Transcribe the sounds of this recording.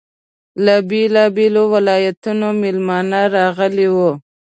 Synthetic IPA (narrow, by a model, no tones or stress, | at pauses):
labelɑbelowɪlɑjat̪unomɪlmɑnaɾɑɣəlewo